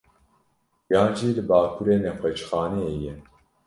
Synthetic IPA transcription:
jaːnʒiːlɨbaːkʰuɾeːnɛxʷɛt͡ʃxɑːnɛejɛ

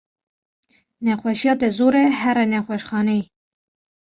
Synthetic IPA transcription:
nɛxʷɛʃjɑːt̪ɛzuːɾɛhɛɾɛnɛxʷɛʃxɑːnej

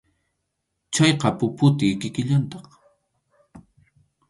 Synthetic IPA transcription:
t͡ʃɑjqɑpʊpʊt̪ɪkɪkɪʎant̪ɑχ

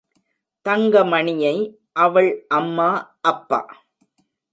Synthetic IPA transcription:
t̪ɐŋɡɐmɐɳɪjɐɪ | ʔɐʋɐɭʔɐmːaːʔɐpːa̰ː

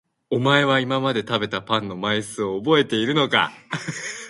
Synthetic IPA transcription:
o̞mae̞β̞aimamad̪e̞t̪abe̞t̪apãnːo̞maisɨo̞ːbo̞e̞t̪e̞iɾɯ̟no̞ka̰

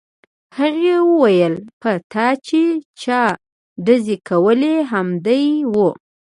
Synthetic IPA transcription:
haɣewəwajəlpət̪ɑt͡ʃet͡ʃɑ | ɖazekʰawəleɦamd̪ajwu

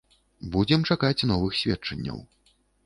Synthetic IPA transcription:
bud͡zʲɛmt͡ʂakat͡sʲnɔvɨxsʲvʲɛt͡ʂɐnʲːɐ̰w

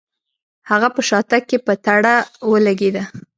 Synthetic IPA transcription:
haɣapəʃɑt̪akːepət̪aɽawəlaɡed̪a

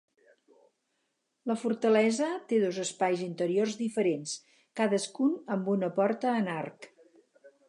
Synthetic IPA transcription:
ləfuɾt̪əlɛzət̪eðozəspajzint̪əɾiorzðifəɾens | kaðəskunəmbunəpɔɾt̪əːnark

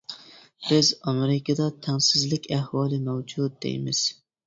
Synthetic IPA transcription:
b̥ɪzɑmeɾɪkʲʰɑd̪ɑt̪ʰɛŋsɪzlɪkʲʰæhwɑːlˠɪmɛwd͡ʒud̪̚d̪ḛjmɪ̰z̥

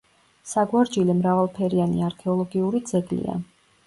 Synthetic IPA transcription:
saɡwaɾd͡ʒilɛmɾavalˠpʰɛɾianḭaɾkʰɛɔlˠɔɡiuɾid̪zɛɡlḭa̰

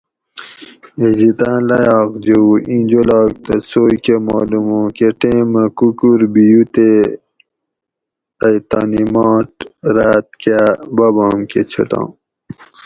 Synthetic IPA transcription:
ezit̪ãːlɐjɑːkd͡ʑeuĩnd͡ʑolaːɡ̚t̪ɐsoːjkemaːlumõːkeʈẽːmɐkukuɾbijut̪e | ɐjt̪aːnimaːʈɾaːt̪̚kabɐbaːmket͡ɕʰɐ̰ʈã̰ː

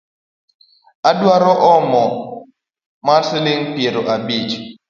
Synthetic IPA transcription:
adwaɾɔʔɔmɔ | masɪlɪŋpjeɾoʔabit͡ʃ

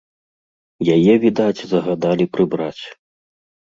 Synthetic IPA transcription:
jajɛvʲid̪at͡sʲzɐɣad̪alʲipɾɨbɾat͡sʲ

